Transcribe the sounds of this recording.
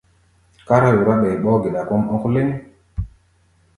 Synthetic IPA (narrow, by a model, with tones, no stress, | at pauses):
ka˦ɾa˦ju˨ɾa˦ɓɛ˨ɓɔ˦ɡe˨ɗa˨ko˦mɔ˦kle˦n˦